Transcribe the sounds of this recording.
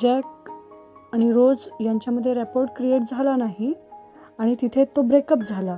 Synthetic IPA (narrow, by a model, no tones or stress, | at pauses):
d͡ʑɛk̚ | aɽ̃iɾod͡zjaɲt͡ɕjaməd̪ʱːjeɾɛpoɾʈkɾieʈ̚d͡zʱalanaɦi | aɽ̃it̪it̪ʰet̪obɾekəp̚d͡zʱala